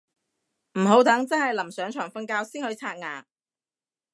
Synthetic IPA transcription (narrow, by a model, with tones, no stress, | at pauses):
m̩˨˩ɦo˨˥wt̪ɐ˨˥ŋt͡sɐ˥nhɐ˨jlɐ˨˩msœː˨˥ŋt͡ʃʰœː˨˩ŋfɐ˥nkaː˧˥wsiː˥nhɵ˨˧˥jt͡sʰaː˧t̚ŋa̰ː˨˩ŋ̚